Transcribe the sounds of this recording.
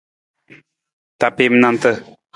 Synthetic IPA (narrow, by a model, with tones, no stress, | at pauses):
t̪a˨pe˦˨m˦nã˦˧nt̪ə˦